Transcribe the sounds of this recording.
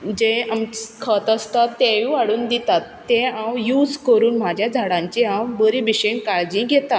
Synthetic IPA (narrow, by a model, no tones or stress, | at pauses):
d͡ʑeamkʰət̪əst̪at̪ːɛʋĩʋaɽuːnd̪it̪at̪ːẽãwjuːd͡zkəɾuːnm̤ad͡ʑʱjad͡zʱaɽãɲt͡ɕiɦãwbəɾibiɕeɳkaɭd͡ʑĩɡʱɛt̪a